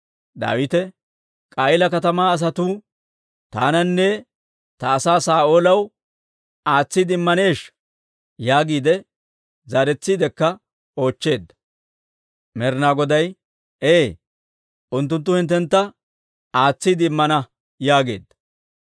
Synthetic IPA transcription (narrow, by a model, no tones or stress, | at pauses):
d̪a̰ːwɪt̪ɛ | kʼɐjɪlɐkɐt̪ɐmaːɐs̬ɐt̪uː | t̪aːnɐnːɛ | t̪ɐːsaːsaːʔo̞ːlɐw | aːt͡sːid̪ɪmːɐne̞ːʃ | jaːɡiːd̪ɛ | zɐɾɛt͡sːiːd̪ɛkːɐ | o̞ːt͡ʃːe̞ːd̪ːɐ̥ | mɛɾnaːɡɔd̪ɐj | eː | ʔʊnt̪̬ːʊnt̪̬ːʊhɪnt̪̬ːɛnt̪ːɐ | aːt͡sːid̪ɪɪmːɐnɐ | jaːɡe̞̰ːd̪ːɐ